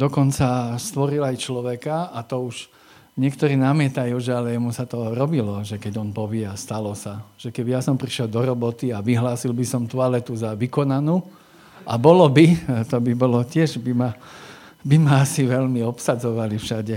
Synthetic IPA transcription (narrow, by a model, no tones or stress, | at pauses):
d̪ɔkɔnt͡sast̪ʋɔɾilajt͡ʃlɔʋɛkaat̪ɔuʒ | ɲɪɛkt̪ɔɾiːnamɪɛt̪ajuːʒɛalɛjɛmusat̪ɔɾɔbilɔʒɛkɛɟɔnpɔʋɪɛast̪alɔsaʒ̥ɛkɛbijasɔmpɾiʃjɛld̪ɔɾɔbɔt̪iaʋiɦlaːsilbisɔmt̪ualɛt̪uzaʋikɔnanuː | abɔlɔbit̪ɔbibɔlɔcɪɛʒbima | bimaasiʋɛʎmiɔpsad͡zɔʋalifʃaɟɛ